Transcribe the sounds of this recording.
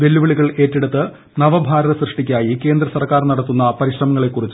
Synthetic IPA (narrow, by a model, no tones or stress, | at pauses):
ʋe̞lːuʋɐɭiɣɐɭe̞ːtːeɽut̪ːɨ | nɐʋɐbʱaːɾɐðɐsrɨʂʈikʲːaːjike̞ːnd̪rɐsɐrkaːrnɐɽɐt̪ːunːɐpɐɾiɕrɐmɐŋːɐɭe̞kːurit͡ɕː